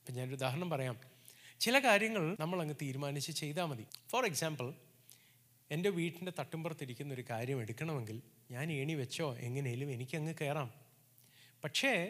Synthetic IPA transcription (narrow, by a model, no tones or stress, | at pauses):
ɐpːoːɲaːnoɾud̪aːɦɐɾɐɳɐmpɐrɐjaːm | t͡ɕilɐkaːɾjɐŋːɐɭnɐmːɐɭɐŋːɨt̪iːɾumaːnit͡ɕːɨt͡ɕe̞jt̪̬aːmɐðiforeksaːmbɐl | e̞nde̞ʋiːʈːindet̪ɐʈːumbɐrt̪ːiɾikʲːunːo̞ɾukaːɾjɐme̞ɽukʲːɐɳɐme̞ŋɡilɲaːne̞ːɳiʋɐt͡ɕːo̞ːʔe̞̰ŋːɐne̞jilume̞nikʲːɨɐŋːɨke̞ːraːm | pɐʈʂe̞